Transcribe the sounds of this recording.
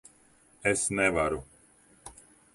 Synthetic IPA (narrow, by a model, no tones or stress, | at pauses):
ɛsnɛvaɾu